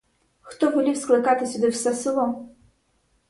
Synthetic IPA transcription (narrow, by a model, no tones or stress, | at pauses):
xt̪ɔbɨlʲiwsklˠɨkat̪ɨsʲɐd̪ɨwsɐsɨlˠɔm